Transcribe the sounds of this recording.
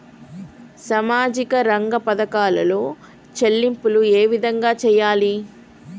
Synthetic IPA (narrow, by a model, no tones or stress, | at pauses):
sɐmaːd͡ʒikɐɾɐŋɡɐpɐd̪ɐkaːlɐ̰lo̞ː | t͡ʃelːimpulueːʋid̪ʱɐŋɡaːt͡ʃɛːjːaːli